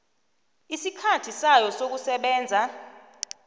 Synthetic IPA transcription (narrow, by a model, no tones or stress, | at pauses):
isikʰatʰisajɔsok̬usɛɓɛːnd͡zʱa